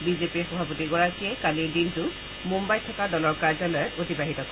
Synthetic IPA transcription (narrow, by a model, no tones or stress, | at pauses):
bizepiɹxɔbʱapotiɡɔɹakiɛkaliɹdintʊ | mumbajtʰɔkadɔlɔɹkaɹzɔlɔjɔtotibaɦitɔkɔɛ